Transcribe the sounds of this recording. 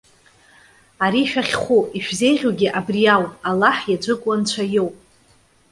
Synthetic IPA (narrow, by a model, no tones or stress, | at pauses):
aɾiːʃᶣaχʲχʷuiʃᶣzejʁʲoɡʲɪʔabrijawalaħjad͡ʒʷɨkʷʼwant͡ɕʷʰajowpʼ